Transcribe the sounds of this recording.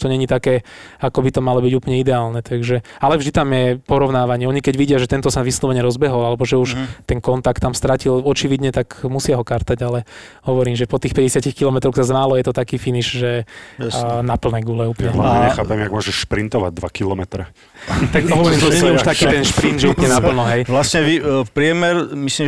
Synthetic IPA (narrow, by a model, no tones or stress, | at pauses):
t̪ɔɲɛɲit̪akɛː | akɔbit̪ɔmalɔbiɟuːplɲɛid̪ɛaːlnɛt̪aɡʒɛalɛvʒd̪it̪amjɛpɔɾɔʋnaːʋaɲɪɛɔɲikɛɟʋiɟɪaʒɛt̪ɛnt̪ɔsaʋislɔʋɛɲɛɾɔzbɛɦɔlalɛbɔʒɛuʃt̪ɛnkɔnt̪akt̪ːamst̪ɾacilɔt͡ʃiʋid̪ɲɛt̪akmusɪaɦɔkaɾt̪aɟalɛ | hɔʋɔɾiːmʒɛpɔt̪iːxpɛɟɛsɪacixkilɔmɛt̪ɾɔxsazmaːlɔjɛt̪ɔt̪akiːfiniʒʒɛ | napl̩nɛɡulɛuːpɲɛɲɛxaːpɛmjaɡmʊɔʒɛʃʃpɾint̪ɔʋa̰ɟ̚d̪ʋakilɔmɛt̪ɾɛ | t̪akɦɔʋɔɾiːmt̪ɔɛuʃt̪akiːt̪ɛnʃpɾind̪ʒɛuplɲɛnapl̩nɔɦɛjʋlasɲɛʋipɾɪɛmɛɾmislim